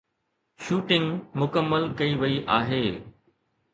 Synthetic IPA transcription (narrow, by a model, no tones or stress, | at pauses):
ʃuːʈɪ̃ŋɡmʊkəmːəlkɐiʋɐiʔaːɦeː